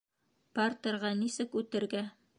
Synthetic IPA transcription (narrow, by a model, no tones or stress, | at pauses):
pɑrt̪ɤ̆ɾʁɑnisɘkʉt̪ɘ̆ɾɡæ